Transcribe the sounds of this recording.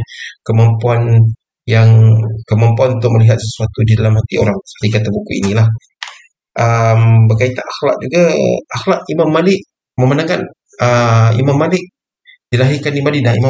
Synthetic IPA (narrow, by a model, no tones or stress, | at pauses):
kəmampuan | jaŋkəmampuanunt̪ʊk̚məliɦat̪̚səsuat̪udidalamɦat̪ioɾaŋsd̪ikat̪abukuḭnilah | ʔəmbəkait̪aaxlak̚d͡ʒuɡaaxlaʔ̚imamːalɪʔ | məmənaŋkan | əḭmamːalɪk̚ | dilaɦikanimadidaḭma